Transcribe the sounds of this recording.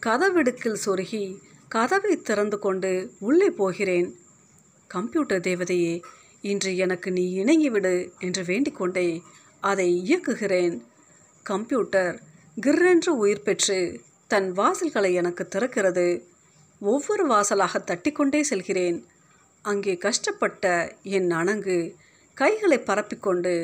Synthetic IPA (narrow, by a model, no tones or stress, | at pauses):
kɐðɐʋɪɽɯkːɪlsɔɾɯɣi | kɐðɐʋɐɪt̪ːɪɾɐnd̪ɯkɔɳɖɯʊɭːɐɪpːoːɣɪreːn | kɐmpjuːʈːɐɾd̪eːʋɐðɐjeː | ɪndriɛnɐkːɯniːɪɳɐŋɡiʋɪɽɯɛndrɯʋeːɳɖɪkːɔɳɖeː | ɐðɐɪɪjɐkːɯɣɪreːn | kɐmpjuːʈːɐɾ | ɡɪɾːendrɯʊjɪɾpɛʈrɯ | t̪ɐnʋaːsɪlɣɐɭɐɪɛnɐkːɯt̪ːɪrɐkːɪrɐðɯ | ɔʋːɔɾɯʋaːsɐlaːɣɐt̪ːɐʈːɪkːɔɳɖeːsɛlɣɪreːn | ɐŋɡeːkɐʂʈɐpːɐʈːɐɛnːɐɳɐŋɡɯ | kɐɪɣɐɭɐɪpːɐɾɐpːɪkːɔɳɖɯ